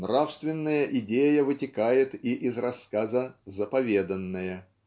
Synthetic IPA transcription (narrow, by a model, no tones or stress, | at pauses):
nrafst̪vʲɪnːəjəʔɪdʲejəvɨtʲɪkajɪt̪iʔɪzrɐskazəzəpɐvʲe̞d̪ənːəjə